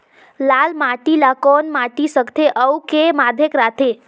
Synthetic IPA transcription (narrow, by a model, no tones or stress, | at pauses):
lalmaʈilakɔnmaʈisəkt̪ʰeʔəwkemad̪ʱjekɾat̪ʰe